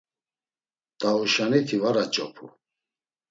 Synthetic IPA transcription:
t̪ʼauʃanit̪ʰivaɾat͡ʃʼɔpʰu

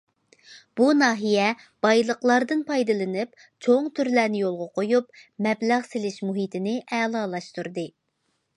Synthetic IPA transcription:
b̥unɑːɦijɛ | b̥ɑjlˠəqlˠɑɾd̪ɨnpʰɑjd̪ɨlˠɨnɨp | t͡ʃʰoŋt̪ʰyɾlæɾnɪjolˠʁɑqʰojupmɛblæʁsɪlɪʃmuɦit̪ʰɪnɪʔɛːlˠɑːlˠɑʃt̪uɾd̪ɨ

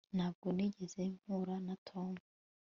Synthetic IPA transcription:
n̥haːbɡoniɟezem̥huɾanatʰo̞ːmu

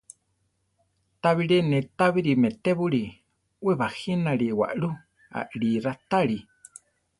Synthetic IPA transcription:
t̪aβiɺenɛ̃t̪aβiɾimɛt̪eβuɺi | weβahinaɺiwa̰ʔɺu | a̰ʔɺiɾat̪aɺi

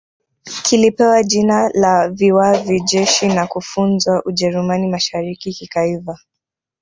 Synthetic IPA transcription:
kʰilipɛwaʄinalaviwaviʄɛʃinakufunzwaʔuʄɛɾumanimaʃaɾikikikaiva

